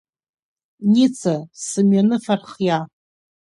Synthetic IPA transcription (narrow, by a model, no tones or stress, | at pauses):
nit͡sʰasɨmɥanɨfarχja